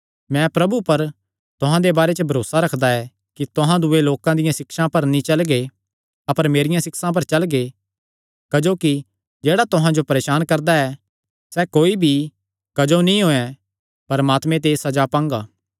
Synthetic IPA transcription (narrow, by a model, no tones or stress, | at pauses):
mɛ̃pɾɐbupɐɾ | t̪ʊɦãd̪ebaːɾet͡ʃəbʱɐɾoːsaɾɐkʰd̪aɛ | kit̪ʊɦãd̪ʊeloːkãd̪ɪjãsɪkʃãpɐɾnĩt͡ʃɐlɡe | ɐpəɾmeːɾɪjãsɪksãp̬ɐɾt͡ʃɐlɡe | kɐd͡ʒoːki | d͡ʒeːɽat̪ʊɦãd͡ʒopɐɾeːʃaːnkɐɾd̪aɛ | sɛkoːibʱi | kɐd͡ʒonĩɦoːɛ̃ | pɐɾəmaːt̪mẽt̪̬eːsɐd͡ʒapãːŋɡaː